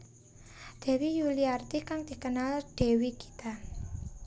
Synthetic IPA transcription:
d̪̥ɛ̤wijuliart̪ikaŋd̪̥i̤kənald̪̥e̤wiki̥t̪a

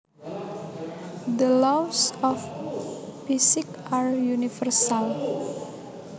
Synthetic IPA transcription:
d̪əlɔfsɔf | fisikarjunifərsal

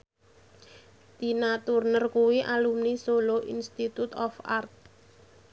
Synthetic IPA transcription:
d̪̥i̤nat̪urnərkuwiʔalumnisoloʔinst̪it̪ut̪ɔfart̪̚

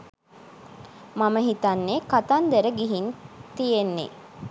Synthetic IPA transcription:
maməɦit̪anːekat̪and̪eɾəɡiɦint̪ijenːḛ

